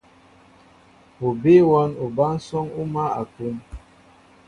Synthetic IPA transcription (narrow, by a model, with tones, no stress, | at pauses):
o˨be˦wa˦no˨ba˦n̩˦sɔ˦ŋu˦ma˦a̰˨tu˦m